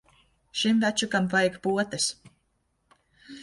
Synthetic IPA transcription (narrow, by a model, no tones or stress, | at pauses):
ʃimvæt͡ʃukampajɛkpuɔt̪ɛs